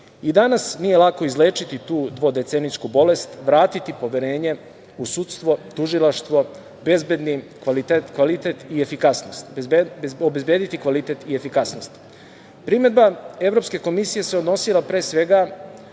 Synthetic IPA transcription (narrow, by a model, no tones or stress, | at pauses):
id̪anasnijelˠako̞izleːt͡ʃit̪it̪uːd̪ʋo̞d̪e̞t̪senit͡ʃkubo̞le̞st̪ʋɾaːt̪it̪ipo̞ʋeɾe̞ːɲe̞ | usut̪st̪ʋo̞t̪uʒilˠaʃt̪ʋo̞ | be̞zbed̪nikʋalit̪et̪kʋalit̪et̪iefikasnost̪ | obezbe̞ːd̪it̪ikʋalit̪e̞t̪ie̞fikasno̞st̪ | pɾime̞d̪bae̞vɾo̞pskeko̞misije̞se̞od̪no̞silˠapɾe̞ːsʋe̞ɡa